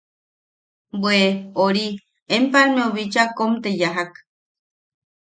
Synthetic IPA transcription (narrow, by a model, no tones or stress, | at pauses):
bweoɾi | empaɾmẽoβit͡ʃakomt̪ejaɦak